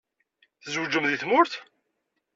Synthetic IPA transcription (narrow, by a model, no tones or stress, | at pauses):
θəzwəd͡ʒːəmðiθmʊɾθ